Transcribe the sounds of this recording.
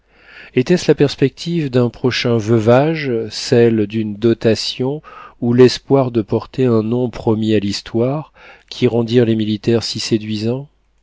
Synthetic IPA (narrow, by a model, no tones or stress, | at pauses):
et̪ɛslapɛʁspɛk̚t̪ʰivd̪ɛ̃pχɔʃɛ̃vøvaʒsɛld̪ynd̪ɔt̪asjɔ̃ulɛspwaʁd̪əpɔʁt̪eɛ̃nɔ̃pχɔmialist̪waʁkʲʰiʁɑ̃d̪iʁlemilit̪ɛʁsised̪ɥizɑ̃